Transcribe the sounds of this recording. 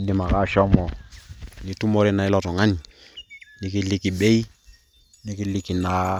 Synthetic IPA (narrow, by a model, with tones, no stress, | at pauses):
dɪ˨ma˨ka˦˨ʃɔ˦mɔ˨nɪ˨tu˦mɔ˦ɾɪ˦na˨ɪ˦lɔ˨tɔ˨ŋa˦ɲ | nɪ˨kɪ˦lɪ˨ki˨ɓɛ˦i˦ | nɪ˦kɪ˦li˦ki˨na˨˦